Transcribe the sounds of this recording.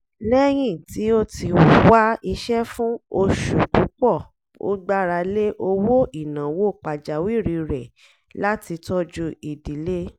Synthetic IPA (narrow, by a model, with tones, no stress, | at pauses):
lɛ˦j̃ĩ˦˨ti˨˦o˦ti˧u˨˦wa˦i˧ʃɛ˦fũ˦o˧ʃu˨ku˨˦k͡pɔ˦˨ | o̰˦ɡ͡ba˦ɾa˧le˦ʔo˧wo˦ʔi˦˨nã˨wo˦˨k͡pa˨d͡ʒa˨wi˦˨ɾi˧ɾɛ˨ | la˦ti˧tɔ˦d͡ʒu˦i˨di˨˦le˦